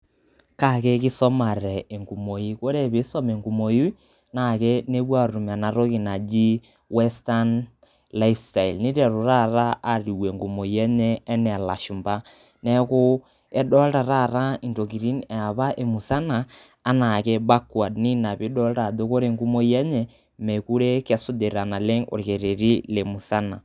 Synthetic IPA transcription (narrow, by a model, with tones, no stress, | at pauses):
ka˦˨ke˦ki˦sɔ˦ma˨ɾɛ˨e˨ŋɡu˨mo˨ji˦ko˦ɾe˦˨βe˨˦sɔ˦me˨ŋɡu˨mo˨ji˦ | na˨ke˦ne˦bwa˦˨ɾu˨m˨a˨na˨ɾo˦ki˨na˨d͡ʒi˦ | wɛ˦sta˦n | la˦ifsta˨i˨lni˦ɾɛ˨ɾu˨ɾa˦ɾa˦a˦ɾi˨we˨ŋɡu˨mo˨jɛ˦ɲɛ˦ɛ˦nɛ˨la˨ʃu˨mba˦ | nɛ˦kʊ˦ | ɛ˦ɗɔ˦lɾa˨ɾa˦ɾa˦i˨nto˨ki˨ɾi˦nɛ˨a˨βa˦ʔe˨mu˨sa˦naː˨ | na˨ke˦ba˦kwa˨dni˦na˨pi˦dɔ˦lta˨do˦ko˦ɾe˦ŋɡu˦mo˦jɛ˦ɲɛ˦ | mɛ˨ku˦ɾe˦kɛ˦sʊ˦de˨ɾa˨na˨le˦ŋo̰˨ɾke˨ɾe˨ɾi˦le˨mu˨sa˦na˨